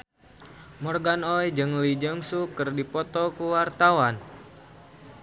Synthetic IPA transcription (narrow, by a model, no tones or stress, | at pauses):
mɔrɡanɔjd͡ʒɨŋlid͡ʒəŋsukərdipɔt̪ɔkuwart̪awan